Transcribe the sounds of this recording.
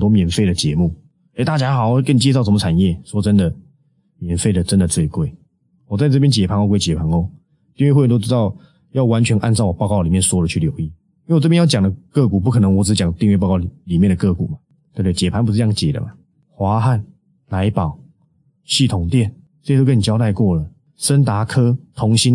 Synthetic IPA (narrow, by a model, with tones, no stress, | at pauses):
t̪wɔ˥mjɛ˨˩nfe˥˩ɪdə˩t͡ɕjɛ˧˦mu˥˩ | e˥˩ɪt̪a˥˩t͡ɕja˥xɑ˨˩˦xwe˥˧kə˥˩ni˨˩t͡ɕɛ˥˧s̬ɑ˥˩ʊʂə˧˦mə˧ʈ͡ʂʰa˨˩njɛ˥˩swɔ˥˩ʈ͡ʂə˦nd̪ə˨ | mjɛ˨˩nfe˥˩ɪd̪ə˩ʈ͡ʂə˦nd̪ə˨t͡swe˥˧ɪkwe˥˩ɪ | wɔ˨˩t͡sa˥˧ʈ͡ʂɤ˥˩p̬jɛ˥nt͡ɕjɛ˨˩pʰa˧˥ŋo˥˧kwe˥˧ɪt͡ɕjɛ˨˩pʰa˧˥ŋo˥˧ʊ | t̪i˥˧ŋwe˥˧xwt̪o˥ʊʈ͡ʂ̩˥t̪ɑ˥˨ʊ | jɑ˥˩ʊwa˧˦nt͡ɕʰɥɛ˧˦nʔa˥˧nt͡sɑ˥˩ʊwɔ˨˩pɑ˥˧ʊkɑ˥˩li˨˩mjɛ˥˨nswɔ˥də˨t͡ɕʰy˥˩ljo˧˥ʊi˥˩ | i˧˥˨wʈ͡ʂɤ˥˧pjɛ˥jɑ˥˧ʊja˨˩ŋd̪ə˦kɤ˥˧ku˨˩p̬u˥kʰɤ˨˩nə˧˦ŋwɔ˧˦ʈ͡ʂ̩˨˥t͡ɕjɑ˨˩ŋt̪i˥˧ŋɥpɑ˥˧ʊkɑ˥˩˨li˨˩mjɛ˥˩nd̪ə˩kɤ˥˧˩kṵ˨˩ma˨t | t̪we˥˧t̪e˥˩˨t͡ɕjɛ˨˩pʰa˧˥npu˧ʂ̩˥jɑ˥˩ŋt͡ɕjɛ̰˨˩d̪ə̰˩ma˨ | xwa˧˥xa˥˩n | la˧˥ɪpɑ˨˩˦ʊ | ɕi˥˩t̪ʰʊ˨˩˦ŋt̪jɛ˥˩n | t͡sɤ˥˧jto˥ʊkə˥ni˨˩t͡ɕjɑ˥ʊt̪a˥˧ɪkwɔ˥˩lə˩ | ʂə˦˥nt̪a˧˥kʰɤ˦˥t̪ʰʊ˧˥ŋɕi˦n